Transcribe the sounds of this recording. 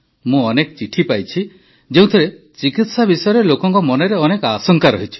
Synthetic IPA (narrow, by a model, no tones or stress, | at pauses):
mũɔnekɔt͡ʃiʈʰipajt͡ʃʰi | d͡ʒeũt̪ʰiɾet͡ʃikit̪sabisɔjɔɾelokɔŋkɔmɔneɾeɔnekɔasɔŋkaɾɔɦit͡ʃʰi̥